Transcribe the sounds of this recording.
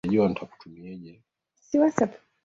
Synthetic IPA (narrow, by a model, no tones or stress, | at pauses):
aʄuwanitʰaku̥tumiɛʄɛ | siwasap